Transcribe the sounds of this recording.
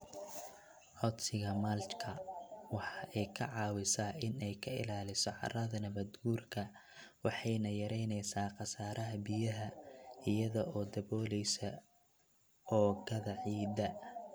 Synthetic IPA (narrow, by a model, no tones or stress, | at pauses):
ʕɔd̪sɪɣɐmalt͡ʃkʰɐwɑħɑːʔɛjkʰɐʕɑːwɪsaʔɪnɛjkʰɐɪ̰laːlɪsɔʕɑ̰rɐðɐnɐβɐd̪ɡuːrkʰɐ | wɑħɑjnɐjɐɾɛjnɛjsaːqɑsaːɾʔɐɦɐbijɐɦɐɪjɐðɔʔɔːd̪ɐβɔːlɛjsɐ | ɔːɡɐðɐʕiːd̪ɐ